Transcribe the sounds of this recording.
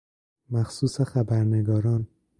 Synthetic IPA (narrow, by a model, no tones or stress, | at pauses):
mæxsuːsexæbæɾneɡɒːɾɒːn